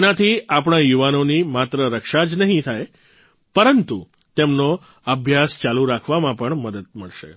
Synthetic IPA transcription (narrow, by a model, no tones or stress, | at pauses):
nat̪ʰiapɳ̃ajuʋanonimat̪ɾəɾəkʃad͡ʒnəɦĩt̪ʰaj | pəɾənt̪u | t̪emno | əbʱjast͡ʃaluɾakʰʋamãpəɳməd̪əd̪̚məɭʃḛ